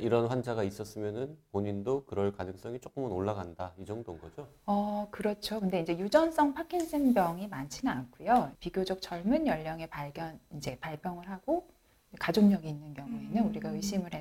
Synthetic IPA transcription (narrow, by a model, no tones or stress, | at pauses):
iɾʌnɸwand͡ʑaɡais͈ʌs͈ɯmjʌnɯnpoɲindokɯɾʌɭkanɯŋs͈ʌŋit͡ɕ͈ʰok͈ɯmɯnoɭːaɡandaid͡ʑʌŋdonɡʌd͡ʑo | ʌkɯɾʌt͡ɕʰokɯnde̞ind͡ʑe̞jud͡ʑʌns͈ʌŋpʰakʰiŋs͈ʰɯnbjʌŋimant͡ɕʰinank͈ʰujopiɡjod͡ʑʌk̚t͡ɕ͈ʰʌɭmunjʌʎːʌŋe̞paɭɡjʌnind͡ʑe̞paɭpʰjʌŋɯɭɦaɡo | kad͡ʑoŋɲʌɡiːnːɯnkjʌŋue̞nɯnuɾiɡaɯɕ͈imɯɭɦe